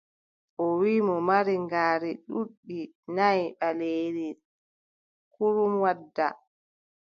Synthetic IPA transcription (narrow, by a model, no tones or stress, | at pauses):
ʔɔwiːmɔmaɾiŋɡaːɾiɗuɗːi | najɓaleːɾi | kuɾumwadːa̰